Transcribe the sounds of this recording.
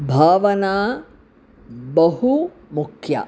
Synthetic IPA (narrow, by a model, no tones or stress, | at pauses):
bʱaːʋɐnaː | bɐɦu | mukʰja̰